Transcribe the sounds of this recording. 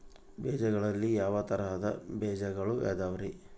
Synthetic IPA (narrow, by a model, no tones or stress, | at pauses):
bɛːd͡ʒɐɡɐɭɐlːijaːʋɐt̪ɐɾɐɦɐd̪ɐbɛːd͡ʒɐɡɐɭujʔa̰ːd̪aːʋɐɾi